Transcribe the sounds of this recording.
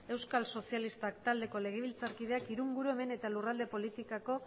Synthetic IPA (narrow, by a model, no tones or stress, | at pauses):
e̞wskalso̞sialist̪ak̚t̪ald̪e̞ko̞le̞ɣ̞e̞βilt͡saɾkið̞e̞akiɾuŋɡuɾue̞me̞ne̞t̪alurald̪e̞po̞lit̪ikako̞